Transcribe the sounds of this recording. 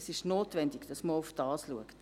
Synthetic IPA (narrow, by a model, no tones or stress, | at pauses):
sɪʃnoːtvɛndiɡd̥ɑsməufd̥ɑːsluəkt